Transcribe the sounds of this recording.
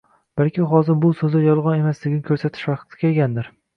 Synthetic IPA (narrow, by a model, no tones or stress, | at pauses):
b̥alkʲɪɦɒzɪɾbʊsɵzajɒlˠʁɒne̞masd̪ɪɡʲɪnɪkʰɵɾsat̪ʰɪ̥ʃvɑqt̪ʰɪ̥ɡʲaeɡʲand̪ɪɾ